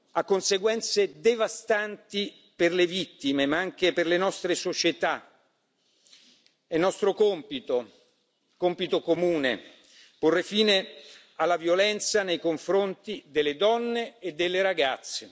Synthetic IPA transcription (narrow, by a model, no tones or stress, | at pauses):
akːonseɡwɛnt̪sed̪evast̪ant̪i | perlevit̪ːimemaaŋk̟eperlenɔst̪ɾesot͡ʃet̪a | ɛnːɔst̪ɾokompit̪o | kompit̪okomuːne | porːefiːne | alːavjolɛnt̪sanejkoɱfɾont̪id̪elːed̪ɔnːeːd̪ːelːeɾaɡat̪sːe